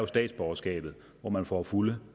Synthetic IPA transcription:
jo̝sd̥ɛ̰ːd̥sb̥ɒɐsɡ̥ɛ̰ːb̥ð̞̩ˠ | ʋɒmænfɒ̰ːfulə

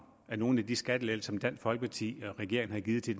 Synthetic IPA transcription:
æɐno̝ːn̩æd̥isɡ̥æd̥əlelsɒ̽md̥æn̰sfɒlɡ̥ə̥pʰɑ̈t͡sʰḭːɒʁɛɡ̥e̝ɐ̰eŋ̩hɑ̈ɡ̥iːð̩ˠt͡sʰe̝d

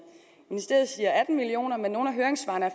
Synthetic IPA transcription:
minisd̥eɐð̩ˠsiːɐʔæd̥n̩milio̝̰ːnɐmenːo̝ːnæɦøːɐeŋsʋɑ̈nəæ

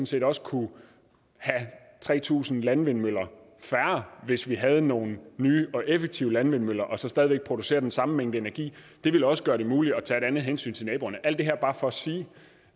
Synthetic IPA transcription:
n̩se̝̰ːdɾɒ̽sə̥kʰu | hæ | t͡sʰʁɛ̰ːt͡sʰṵːsn̩lænʋenmøl̰ɐ | fæɐɐʋe̝sʋiɦæð̞̩ˠəno̝ːn̩nyːʔɒ̽ʔefeɡ̥̚t͡sʰiːʊəlænʋenmøl̰ɐʔɒ̽sɒ̽sd̥ɛð̞ˠʋeɡ̥̚pʰʁo̝d̥use̝̰ːɐd̥ensɑ̈m̩meŋ̰d̥̩əe̝næɐɡ̥ḭː | d̥e̝ʋeləɒ̽sə̥ɡ̥ɶɐɾ̥e̝muːli̥ɒ̽t͡sʰæeɾænð̞̩ˠɦensy̰ːnt͡sʰe̝nɛːb̥o̝ɐnəʔæl̰d̥e̝ɦæɐb̥ɑ̈ːfɒ̽ɒsiː

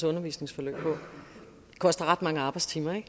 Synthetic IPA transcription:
sɔ̽nɐʋḭːsne̝ŋsfɒlø̰ːb̥̚pʰɒ̽ | kʰɒ̽sd̥ɐʁɑ̈d̥mɑ̈ŋəɑ̈ːb̥ɑ̈ɪdst͡sʰiːmɐeɡ̥

